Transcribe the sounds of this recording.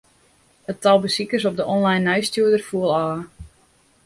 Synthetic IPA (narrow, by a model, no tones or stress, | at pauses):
ətɔlˠbəsikəsɔp̚dəʔɔnlajnːajstjuədərfuəlˠɔːə